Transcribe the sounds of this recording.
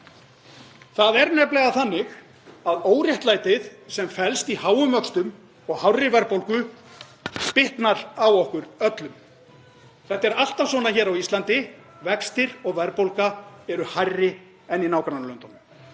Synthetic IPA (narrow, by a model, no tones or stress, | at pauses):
θaðɛɾnɛjplɛɣaθanːɪɣ | aðoːwrjɛht̪laːjt̪ɪðsɛmfɛlst̪ihaːwʏmœkst̪ʏm | ɔɣhawrɪɾvɛɾpowlkʏ | pɪht̪naɾawɔhkʏɾœt̪lʏm | θɛht̪ɛɾal̥t̪ḁsvɔːnaçɛːɾawist̪lant̪ɪ | vɛkst̪ɪɾɔɣvɛɾpowlkaɛɾʏhajrːɪ | ɛnːinaːwkɾanlœnt̪ɔnʏ